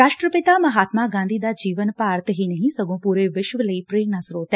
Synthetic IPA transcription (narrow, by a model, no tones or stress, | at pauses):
ɾaːʃʈɾəpɪt̪aːmɐɦaːt̪maːɡãːnd̪iːd̪aːd͡ʒiːʋənpaːɾt̪ɦiːnəɦĩsəɡõːpuːɾeːʋɪʃʋələiːpɾeːɾnaːsɾoːt̪ɛ